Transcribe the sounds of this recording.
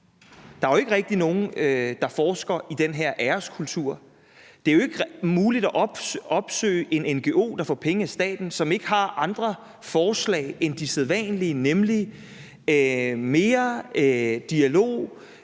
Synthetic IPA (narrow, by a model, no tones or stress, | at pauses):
d̥ɑ̈æjoe̝ɡ̥əʁɛɡ̥̚d̥ino̝ːn̩ød̥ɑ̈fɒːsɡ̥ɐid̥enɦe̝ɐʔæɐskʰult͡sʰuɐ̰ | d̥e̝æjoe̝ɡ̥muːlid̥æʔɒ̽b̥sø̰ːɪʔe̝nenɡ̥e̝ʔo̝̰ːd̥ɑ̈fɒːpʰeŋəæsd̥ɛ̰ːd̥n̩sɒ̽me̝ɡ̥əɦɑ̈ʔɑ̈nd̥ʁɐ | fɒːslɛ̰ɪend̥iseðˠʋɛ̰nliənemli | me̝ːɐ | d̥iælo̝̰ː